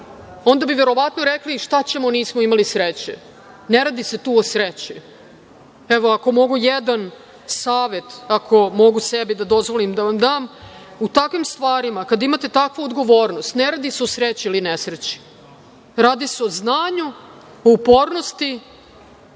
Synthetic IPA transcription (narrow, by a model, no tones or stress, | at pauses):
o̞nd̪abiʋe̞ɾo̞ʋat̪noɾekliʃt̪at͡ɕe̞moniːsmoimalisɾet͡ɕe | ne̞ɾaːd̪ise̞t̪uːosɾet͡ɕi | eʋoako̞mo̞ɡujed̪an | saːʋe̞t̪akʰo̞mo̞ɡusebid̪ad̪o̞zʋo̞limd̪aʋamd̪aːmut̪akʋimst̪ʋaːɾimakad̪imat̪e̞t̪akʋood̪ɡo̞ʋo̞ːɾnost̪neɾaːd̪iseo̞sɾet͡ɕiilinesɾet͡ɕi̥ | ɾaːd̪iseo̞znaːɲu | oupo̞ːɾnost̪i